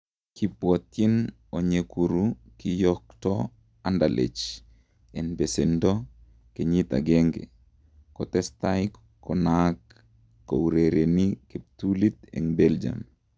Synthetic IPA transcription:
kipwɔt̪jin | oɲekuɾu | kijɔk̚tɔ | andalḛt͡ʃ | ɛnbesendɔ | keɲit̪a̰ɡɛŋɡɛ̰ | kɔt̪ɛst̪ajkː | ɔnakː | ouɾeɾenikep̚t̪ulit̪̚ɛ̰ŋbeld͡ʒa̰m

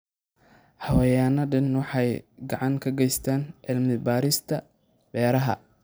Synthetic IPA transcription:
hɐwɛjaːnɐɖɪnwɑħɑjɡɑʕɑŋkʰɐɡɛjst̪ʰaːnʕɪlmɪbaːɾɪst̪ʰɐ | bɛːɾɐɦɐ̰

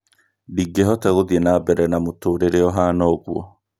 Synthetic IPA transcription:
diɡeɦɔtɛɣoðiɛnabɛɾɛnamotoːɾeɾeɔɦanɔɣwɔ

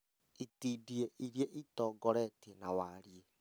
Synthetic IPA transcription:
itiːdieʔʔiɾjeʔitɔːɡɔɾɛtenawaɾie

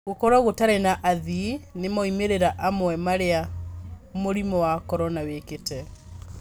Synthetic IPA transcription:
ɣokɔɾwaɣotaɾɛnaʔaðinemaimeɾeɾaʔamwɛmaɾea | moɾimɔwakɔɾɔnaweketɛ

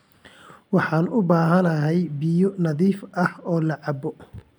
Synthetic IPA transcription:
wɑħɑːnʊbaːɦɐnɐɦɛjbɪjɔnɐðiːfʔɐhɔːlɐʕɑbɔ

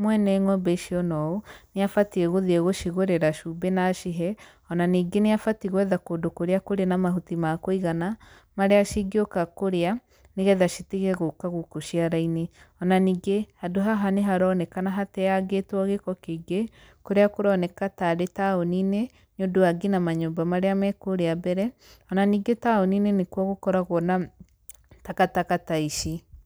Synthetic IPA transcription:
mwɛnɛŋɔbeʃiɔnɔoneafatieɣoðieɣoʃiɣoɾeɾaʃubenaʃiɦɛ | ɔnaniːɡeneafatiɣwɛðakodokoɾeakoɾenamaɦutimakoiɣana | maɾeaʃiɡiokakoɾea | neɣɛðaʃiteɣɛɣokaɣokoʃiaɾaineɔnaniːɡehadoɦaɦaneɦaɾɔnɛkanaɦatɛaɡetwaɣekɔkeɡe | koɾeakoɾɔnɛkataɾetaonine | ɲodoaɡenamaɲombamaɾeamɛkoɾeabɛɾɛ | ɔnaniːɡetaoninenekwɔɣokɔɾaɣɔna | takatakataiʃi

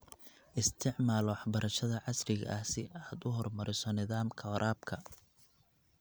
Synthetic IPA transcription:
ʔɪst̪ʰɪʕmaːlwɑħbɐɾɐʃɐðɐʕɑsrɪɣɐ̰ʔɐhsɪʔaːd̪ʊɦɔrmɐɾɪsɔnɪðaːmkʰɐɾʔaːbkʰɐ

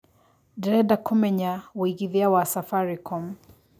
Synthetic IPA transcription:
dɛɾɛdakʰɔmɛɲawiɣiðiawasafaɾikʰɔm

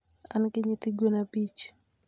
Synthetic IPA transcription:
a̰nkɪɲɪt̪ɪɡonabit͡ʃ

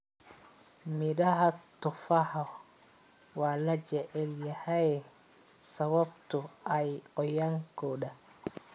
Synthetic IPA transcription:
mɪdɐɦɐt̪ʊfɐhɔ | wɑːlɐt͡ʃɛʕɪljɐhɛjɛ | sɐβɐbt̪ʰʊɛjɔjaŋkʰɔːɗɐ

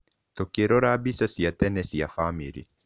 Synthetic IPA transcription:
t̪okːiɛɾoɾabisasiat̪ɛnɛsiafamiɾḭ

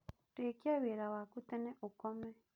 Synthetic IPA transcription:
tekjaβeɾawakutɛnɛʔukɔmɛ

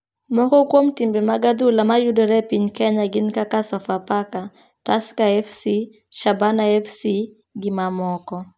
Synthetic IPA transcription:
mɔkɔkwomtimbemaɡad̪ulamajudɔɾɛpiɲkɛɲaɡɪnkakasɔfapaka | taskaɛfsi | ʃabanaɛfsi | ɡɪmamɔkɔ

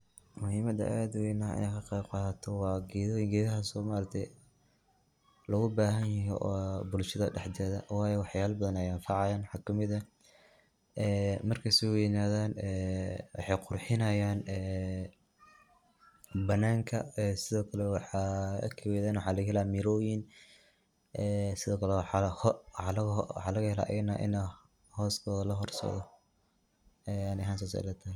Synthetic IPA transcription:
mʊhiːmɐd̪ɐ̰ʔaːd̪wɛjnɐɐ̰jekʰɐqebqɑt̪ʰɔwɑːɡɛðɡɛːðɐɦɐsɔːmaɾɐt̪ʰɛ | lɐɣʊbaːɦɐnjɐɦḭʔɔːbʊlʃɐðɐɖɛħd͡ʒɛːðɐwɑːjɛwɑħjaːlbɐðɐnɐjanfɑʕɑjaːnwɑħɑːkʰɐmɪðɐ | ɛːmɐrkʰɐsɪjɪnaːðaːnɛːwɑ̰ħɑjqʊrħɪnɐjaːnɛː | bɐnːaːŋkʰɐɛːsɪðɔːkʰɐlɛwɑħɑ̰kʰɐwɛːðaːnwɑħɑːlɐɣɐhɛlaːmiɾɔːjɪn | ʔɛːsɪðɔːkʰɐlɛwħɑhwɑħɑlɐɣwɑ̰ħɑːlɐɣɐhɛla̰ːʔɛ̰jnaːʔɪ̰na | hɔːskʰɔːðɐlɐɦɔrsɐ̰ðɔ | ɛanɪɦaːns̬ɔsa̰lɐt̪ʰɐ

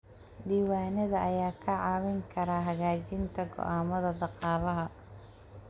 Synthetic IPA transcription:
d̪iːwaːnɐðɐʔɐjaːkʰɐʕɑːwɪŋkʰɐɾaːɦɐɣaːt͡ʃɪnt̪ʰɐɡɔ̰ʔaːmɐðɐd̪ɑqɑːlɐɦɐ

